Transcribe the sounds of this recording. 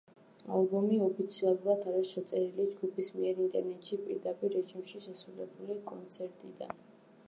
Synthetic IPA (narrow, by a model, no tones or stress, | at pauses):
a̰lˠbɔmiɔpʰit̪sʰialˠuɾad̪ʰaɾiʃat̪sʼɛɾilid͡ʒɡupʰismiɛɾint̪ʼɛɾnɛt̪ʼʃipʼḭɾd̪apʼiɾːɛʒimʃiʃɛsɾulɛbulikʼɔnt̪sʰɛɾt̪ʼid̪a̰n